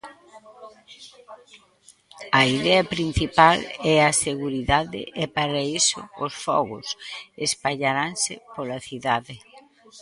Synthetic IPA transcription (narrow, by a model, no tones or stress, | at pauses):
ɐiðɛɐpɾin̟θipalɛɐseɣuɾiðaðɪ̰ʔɛpaɾaisʊ̰ʊsfɔ̰ɣʊ̰sespaʎaɾansɪpolɐθiðaðɪ